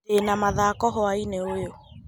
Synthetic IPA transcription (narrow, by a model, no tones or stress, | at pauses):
enamaðakɔɦɔaineojo